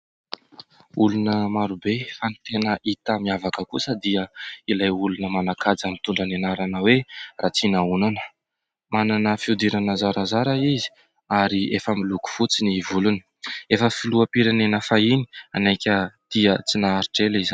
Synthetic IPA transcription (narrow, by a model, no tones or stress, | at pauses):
ulunəmaɾubefanit̪enəʔit̪amiavakəkusəd̪iəilajulunəmanakʰad͡zamint̪uɳɖ͡ʐanenaɾanəwerat͡sinaunanə̥ | mananəfiud̪iɾanəzaɾazaɾaizi̥ | aɾiefəmiluku̥fut͡sinivuluni̥ | efəfiluapiɾanenəfaini̥anajkʲəd̪̥iət͡sinaːɾiʈ͡ʂeliz